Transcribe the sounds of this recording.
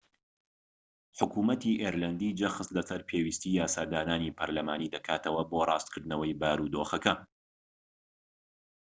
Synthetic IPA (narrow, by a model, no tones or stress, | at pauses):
ħʊkuːmɐt̪iʔeːɾlɐnd̪iːd͡ʒɐxɨslɐsɐɾpʰeːwiːst̪ijaːsaːd̪aːnaːnipʰɐɾlɐmaːniːd̪ɐkʰaːt̪ʰɐwɐborˤɑːst̪kʰɨɾd̪nɐwɐjbaːɾud̪oːxɐkɐ